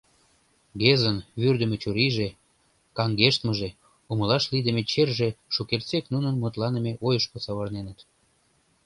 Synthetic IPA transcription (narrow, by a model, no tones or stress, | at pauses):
ɡezənβyrd̪ə̆met͡ɕuɾiʒe | kɑŋɡeʃt̪məʒe | uməlɑʃlid̪əmet͡ɕerʒeʃukert͡seknunənmut̪lɑnəmeʔojəʃkosɑβɤrnenət̪